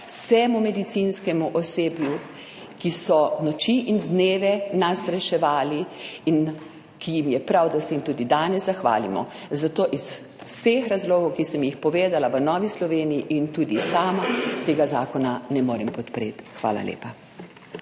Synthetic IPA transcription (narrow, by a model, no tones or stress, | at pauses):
wsɛmumɛd̪it̪sinskɛmuʔɔseːbju | kisɔnɔt͡ʃiʔind̪neːʋɛnasɾɛʃɛʋaːliin | kijimjɛpɾawd̪asɛjimt̪uːd̪id̪aːnɛzzaxʋa̰ːlimɔ̰zat̪oːʔis | sexɾazloːɡɔwkisəmjixpɔʋeːd̪alaʋənɔʋislɔʋeːnijiʔint̪uːd̪isaːmat̪eːɡazaːkɔnanɛmoːɾɛmpɔt̪pɾḛːt̪xʋa̰ːla̰lḛːpa